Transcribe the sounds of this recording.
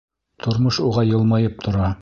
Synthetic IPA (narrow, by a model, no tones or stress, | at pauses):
t̪ʰŏɾmoʃuʁɑjɤ̆lˠmɑjɤp̚t̪ʰŏɾɑ